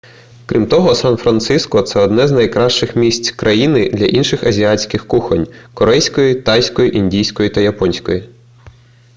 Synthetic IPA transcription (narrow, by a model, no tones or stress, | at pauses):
kɾʲimt̪ɔɦɔsɑnfɾɐnt̪sɪskɔt̪sɛɔd̪nɛznɐjkɾɑʃt͡ʃɪxmʲisʲtʲkɾʔɐjinɪd̪lʲɐʔinʃɪxɐzʲiɑt͡sʲkɪxkuxɐnʲkɔɾɛjsʲkɔjit̪ɑjsʲkɔjiʔinʲdʲijsʲkɔjit̪ɐjɐpɔnʲsʲkɔji